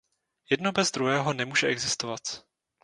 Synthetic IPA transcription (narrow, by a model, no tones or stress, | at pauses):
jɛdno̞bɛzd̪ɾuɦɛːɦo̞nɛmuːʒɛʔɛɡzɪst̪ovat̪